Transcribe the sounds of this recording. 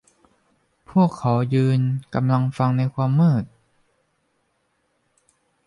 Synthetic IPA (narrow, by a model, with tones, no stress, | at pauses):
pʰu˥˩əkʰːa˩˦wjɯː˧nka˧mla˧ŋfa˧ŋna˧jkʰwaː˧mːɤː˥˩t̪̚